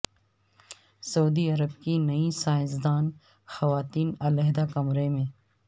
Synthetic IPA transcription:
sɐuːd̪iɐɾəbkinɐisaːɪzd̪aːn | xɐʋaːt̪iːnɐlɛɦd̪akɐmɾemẽː

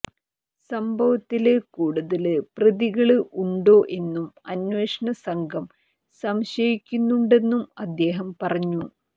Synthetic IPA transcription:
sɐmbʱɐʋɐt̪ːilɨkuːɽuðɐlɨprɐðiɣɐɭɨʔuɳɖo̞ːʔe̞nːumɐnweːʂɐɳɐsɐŋɡʰʱɐm | sɐmɕɐjikʲːunːuɳɖe̞nːumɐd̪ːe̞ːɦɐmpɐrɐɲːu

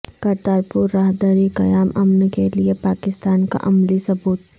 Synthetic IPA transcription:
kɐɾt̪aːɾpuɾːaːɦd̪aːɾikɐjaːmɐmnkeliepaːkɪst̪aːnka̰ʔɐmlisɐbuːt̪̚

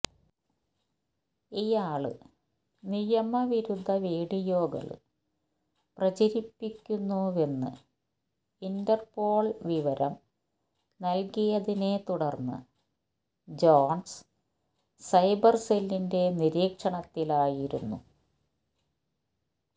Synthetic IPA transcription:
ijaːɭɨ̰ | nijɐmɐʋiɾud̪ʱːɐʋeːɽijo̞ːɡɐ̰ɭ̰ | prɐt͡ɕɐɾipːikʲːunːue̞nːɨ̰ | indɐrpo̞ːɭʋiʋɐɾɐm | nɐlkijɐðine̞t̪uɽɐrnːɨ̰ | d͡ʑoːɳs | sɐjbɐrselːinde̞niɾiːkʂɐɳɐt̪ːilaːjiɾṵnːṵ

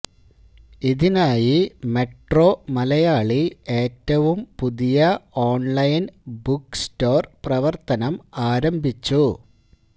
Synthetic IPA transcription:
iðinaːjime̞ʈro̞ːmɐlɐjaːɭie̞ːtːɐʋumpuðijɐoːɳlɐjnbuksto̞ːrprɐʋɐrt̪ɐnɐmaːɾɐmbʱit͡ɕːu

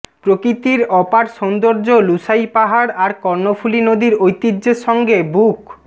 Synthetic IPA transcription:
pɾokɾit̪iɾɔpaɾʃond̪oɾd͡ʑolusaipaɦaɽaɾkɔɾnofʰulinod̪iɾojt̪iːd͡ʑeʃɔŋɡebuk

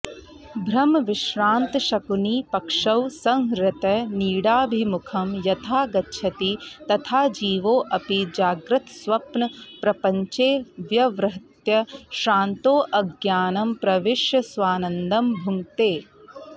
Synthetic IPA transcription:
bʱɾɐmʋɪʃɾaːnt̪ʃɐkuniːpɐkʂɐwsɐ̃ŋɦɾɪt̪ɐniːɽaːbʱimukʰɐmjɐt̪ʰaːɡɐtːʃʰɐt̪it̪ɐt̪ʰaːd͡ʒiːʋoːʔɐpid͡ʒaːɡɾɪt̪sʋɐpnɐpɾɐpɐɲt͡ʃeːʋjɐʋɾɐɦɐt̪jɐʃɾaːnt̪oːʔɐɡjaːnɐmpɾɐʋɪʃjɐsʋaːnɐnd̪ɐmbʱuŋt̪eː

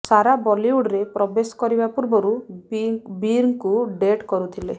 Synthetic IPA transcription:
saɾabɔliuɽɾepɾɔbesɔ̥kɔɾibapuɾbɔɾu | biɾŋkuɖeʈkɔɾut̪ʰile

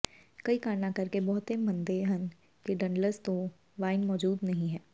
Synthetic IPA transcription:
kɐikaːnãkɐɾkebɔɦʊt̪ɦemɐ̃nd̪eːɦən | keɖɐ̃ɳɖləɾst̪o | ʋaːɪnmɔːd͡ʒuːd̪nɐɦĩɦɛː

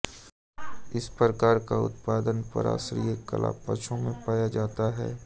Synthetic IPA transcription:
ɪspɾəkaːɾkaʊ̰t̪̚paːd̪ənpə̰ɾa̰ːsɾijəkə̰lʔa̰pəʃʰõmẽpaːjad͡ʒaːt̪aɦɛ̰ː

